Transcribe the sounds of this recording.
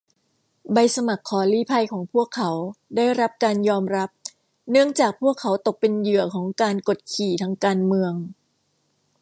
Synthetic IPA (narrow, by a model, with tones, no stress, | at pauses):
ba˧jsa˧ma˨˩kʰːɔː˩˦liː˦˥˩pʰa˧jkʰɔː˩˦ŋpʰu˥˩əkʰːa˩˥wdaː˥˩jɾa˦˥p̚kaː˧njɔː˧mɾa˦˥p̚ | nɯ˥˩əŋt͡ɕaː˨˩k̚pʰu˥˩əkʰːa˩˦wt̪o˨˩k̚pe˧njɯ˨˩əkʰɔː˩˦ŋkaː˧nko˨˩t̪̚kʰiː˨˩t̪ʰa˧ŋkaː˧nmɯ˧əŋ